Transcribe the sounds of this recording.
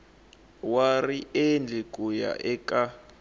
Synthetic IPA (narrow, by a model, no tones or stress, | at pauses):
wariʔend͡ɮʱikʼuja̰ʔɛkʼa